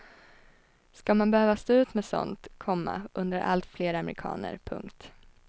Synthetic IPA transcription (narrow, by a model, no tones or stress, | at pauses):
skamanbɛhøːvast̪oːʉ̟ːt̪mɛsɔ̰nt̪kʰɔmːa̰ʔɵnd̪əɾʔa̰lt̪fleːɾamɛɾɪkʰɑ̰ːnə̰ɾpʰɵ̰ŋkt̪